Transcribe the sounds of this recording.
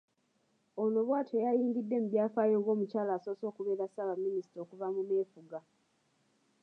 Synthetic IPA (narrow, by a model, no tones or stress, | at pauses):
ono̞βwaːtʰejajiːŋɡidːe̞mubjaːfaːjo̞ːŋɡo̞ːmucaːlaːso̞ːso̞ːkuβe̞ːɾasaβamːinisi̥toːkuvamune̞ːfuɡa